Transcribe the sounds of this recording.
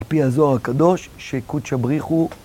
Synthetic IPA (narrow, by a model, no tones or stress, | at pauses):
lpihazoaʁakad̪o̞ʃːekud̪ʃabʁiχu